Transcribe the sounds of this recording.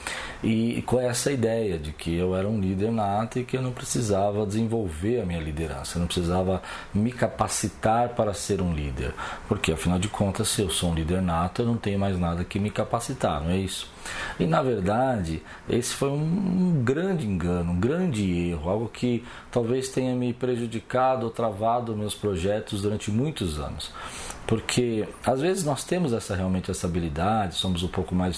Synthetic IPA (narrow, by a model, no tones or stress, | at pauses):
ɪkõɛsɐid̪ɛjɐd͡ʒɪkʰɪewɛɾɐũlid̪eɾnat̪ʊɪkɪewnɐ̃w̃pɾesizavɐd͡ʒɪzẽvowveɾɐmĩɲɐlid̪eɾɐ̰̃sɐewnɐ̃pɾɪ̥sizavɐ | mɪkapasit̪aɾpaɾɐseɾũlḭd̪ḛɾpoɾkeafinawd͡ʒɪkʰõnt̪ɐsːɪewsoũlid̪eɾnat̪ʊewnɐ̃w̃t̪ẽɲʊ̃majznad̪ɐkɪmɪkapasit̪a̰ɾnɐ̃w̃ɛisʊ̥ɪnɐveɾd̪ad͡ʒɪ | esɪ̥fojũũɡɾɐ̃d͡ʒɪẽŋɡɐ̃nʊũɡɾɐ̃d͡ʒɪeɦʊawɡʊkʰɪ | t̪awvest̪ẽɲɐmɪpɾeʒud͡ʒikad̪ʊot̪ɾavad̪ʊmewspɾoʒɛt̪ʊzd̪uɾɐ̃nt͡ʃɪmũj̃t̪ʊzɐ̰̃nʊspoɾkʰeazvezɪznɔst̪ẽmʊzɛsɐheawmẽnt͡ʃɪɛssabilid̪ad͡ʒɪsõmʊzũpowkʊmajs